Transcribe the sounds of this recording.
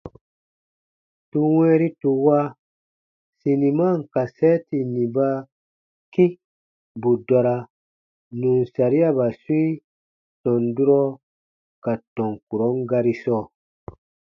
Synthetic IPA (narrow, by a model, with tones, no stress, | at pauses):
tu˧wɛ̃˦ɾi˦tu˧wa˦ | si˨ni˨ma˦˨ŋ˨ka˨sɛ˦ti˨nĩ˨ba˦ | ki˦ | bu˨dɔ˨ɾa˧ | nũ˨n˨sa˨ɾi˦a˦ba˨su˦ | tɔ̃˨ndu˦ɾɔ˦ | ka˨tɔ̃˨ŋku˨ɾɔ˨˦ŋ˦ɡa˧ɾi˦sɔː˦˨